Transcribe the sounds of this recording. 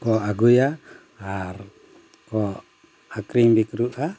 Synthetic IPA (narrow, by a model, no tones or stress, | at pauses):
kɔaɡuja | ar | kɔ | akɾiŋbikɾuʔa